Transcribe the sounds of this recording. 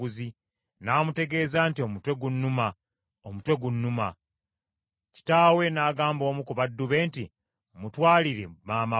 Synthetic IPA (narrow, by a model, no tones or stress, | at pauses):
uzi | naːmute̞ɡe̞ːzaːntio̞mutwe̞ɡunːuma | omutwe̞ɡunːuma | ci̥taːwe̞naːɡaːmbo̞ːmukuβadːuβe̞ːnti | mutwaːliɾḛmaːma